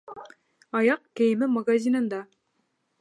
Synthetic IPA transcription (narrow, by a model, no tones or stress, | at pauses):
ɑjɑqkæjɘ̆mɘmɐɡazʲinɤ̆nd̪ɑ